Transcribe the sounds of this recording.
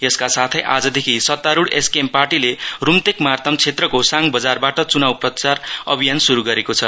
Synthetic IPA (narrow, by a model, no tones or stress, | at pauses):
jʌskasat̪ʰʌjʔa̰d͡zʌd̪ekʰisʌt̪ːaɾuɽeskemparʈilerumt̪ekmart̪ʰʌmt͡sʰet̪rʌkosaŋbʌd͡zarbaʈʌt͡sunawprʌt͡sarʌ̰bʱijansuɾuɡʌɾekot͡sʰʌ